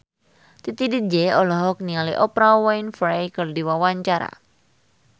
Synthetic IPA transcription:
t̪it̪idid͡ʒɛɔlɔɦɔk̚nialiʔɔpɾawajnfɾajkərdiwawaɲt͡ʃaɾa̰

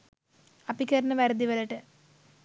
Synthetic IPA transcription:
ɐpːikːɐɾɐnɨʋɐɾɐd̪iʋɐlɐʈːɨ

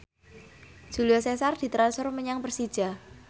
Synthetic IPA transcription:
dʒ̥uliasesard̪̥i̤t̪ɾansʊrməɲaŋpərsid̥ʒ̥a̤

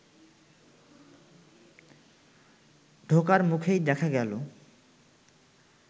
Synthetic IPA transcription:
ɖʱokaɾmukʰejd̪ɛkʰaɡɛlo

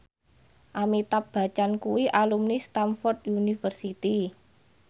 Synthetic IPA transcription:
ʔamit̪ap̚b̥a̤t͡ʃankuwiʔalumnist̪amfɔrt̪̚unifərsit̪i

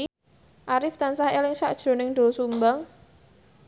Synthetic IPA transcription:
ʔaɾɪft̪ansahelɪŋsaʔd̥ʒ̥o̤nɪŋɖ̥osumbaŋ

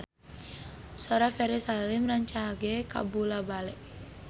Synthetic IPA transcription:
sɔɾafɛɾisalɪmraɲt͡ʃaɡeka̰bulabalɛʔ

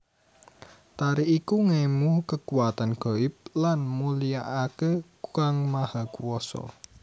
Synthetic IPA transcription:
t̪aɾiʔikuŋemuhkəkuat̪anɡ̥o̤ɪp̚lanmulijaʔake | kaŋmahakuwɔsɔ̰

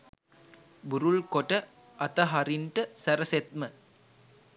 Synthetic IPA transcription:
buɾulkoʈə | ɐt̪əɦaɾiɳʈəsæɾəset̪̚mə

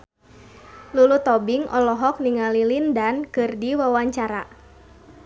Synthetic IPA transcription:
lulut̪ɔbiŋʔɔ̰lɔɦɔk̚niŋalilindankɨrdiwawaɲt͡ʃaɾa

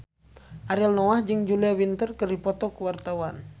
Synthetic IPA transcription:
ʔaɾalnɔwahd͡ʒɨŋd͡ʒuliawint̪ərkɨrdipɔt̪ɔkuwart̪awan

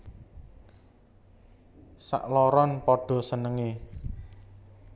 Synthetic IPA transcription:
sa̰ʔlɔɾɔnpɔɖ̥ɔ̤sənəŋe

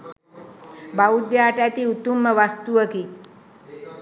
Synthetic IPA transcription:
baud̪jaːʈat̪iut̪umːəʋast̪uəki

